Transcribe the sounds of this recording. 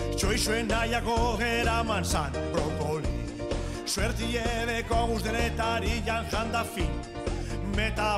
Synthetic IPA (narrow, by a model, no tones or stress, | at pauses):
t͡ʃo̞jsuenajakoɣeɾamansanpɾopolii | sueɾt͡s̪ieðekoaɣusðeɾet̪aɾiʎanʝand̪afin | met̪a